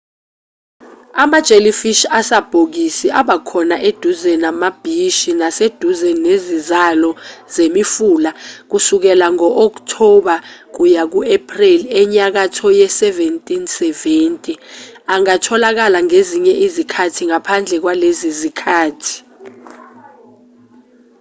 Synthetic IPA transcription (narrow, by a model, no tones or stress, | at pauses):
amad̥ʒ̥ʱelifiʃasab̥ʱok̬isiʔaɓakʰɔnaʔed̥ʱuzɛnamab̥ʱiʃinased̥ʱuzɛnezizalɔzemifuːlak̬usuk̬ɛlaŋɔʔɔk̬ʼtʰɔɓak̬ujak̬uepʰʼrilɛɲak̬atʰɔjɛsɛventʼinsɛveːntʼiaŋatʰɔlak̬alaŋeziɲɛʔizikʰatʰiŋapʰand͡ɮʱɛk̬walezizikʰaːtʰi̥